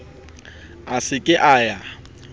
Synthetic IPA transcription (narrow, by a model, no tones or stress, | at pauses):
asɪkʼɪʔaːja